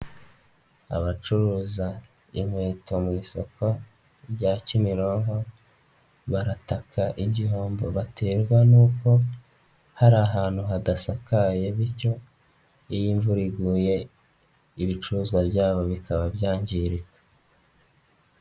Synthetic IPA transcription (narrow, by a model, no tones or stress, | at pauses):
a̰βat͡ʃuɾuːza | iŋ̥weːtʰo̞miːso̞ko̞ | ɾɟacimiɾoːŋɡo̞ | βaɾatakʰaʔiɟiɦo̞ːmbo̞βatʰeɾɡwanuːko̞ | haɾaːɦaːn̥huɦadasakaje̞βiɾco̞ | ijiːɱvuɾiɡuje̞ | iβit͡ʃuɾuzɡwabjaːβo̞βikʰaβabjaːɲɟiɾikḁ